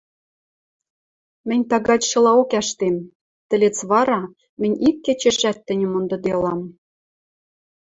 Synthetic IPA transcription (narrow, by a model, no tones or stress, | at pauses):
mɘ̆nʲt̪ɑɣɑt͡ɕʃɤ̆lɑokæʃt̪em | t̪ɘ̆let͡sβɑɾɑ | mɘ̆nʲikːĕt͡ɕĕʃæt̪ːɘ̆nʲɘ̆mond̪ɤ̆d̪elɑm